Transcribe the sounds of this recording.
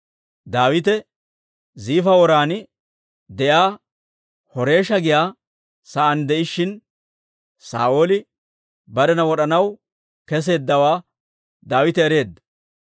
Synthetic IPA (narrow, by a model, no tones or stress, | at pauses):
d̪aːwɪt̪ɛ | ziːfɐwɔɾaːnɪ | d̪ɛjaː | hɔɾe̞ːʃɐɡɪjaː | sɐʔɐnd̪ɛʔɪʃːɪn | sa̰ːʔo̞ːlɪ | bɐɾɛnɐwɔɗɐnɐw | kɛs̬e̞ːd̪ːɐwaː | d̪aːwɪt̪ɛɛɾe̞ːd̪ːɐ